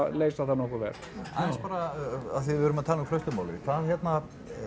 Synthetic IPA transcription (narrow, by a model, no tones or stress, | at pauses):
lejsθɛht̪anɔhkɔvɛ̰ɾ̥ | ajnspaːɾaa̰ðθɪvʏɾʏmaðt̪ʰaːluŋflœɥst̪ʏmaːwlɪkʰaðçjɛt̪na